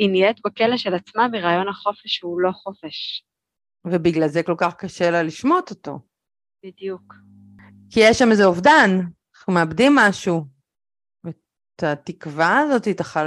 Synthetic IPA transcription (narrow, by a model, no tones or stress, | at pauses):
iniet̪bakeleʃelat͡smabiʁaːjo̞nhaχo̞feʃhulo̞χo̞feʃ | vebiɡlalzeko̞lkaχkaʃe̞laliʃmo̞t̪ot̪o̞̰ | b̥id̪juk | kijeʃːamezeovdan | χnumeabdimːaʃu | e | t̪at̪ikvaːzo̞t̪iet̪aχa